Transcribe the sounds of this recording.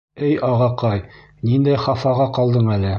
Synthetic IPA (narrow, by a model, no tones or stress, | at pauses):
ɘjɑʁɑqɑj | nind̪æjχɑfɑʁɑqɒlˠd̪ɤɴælɘ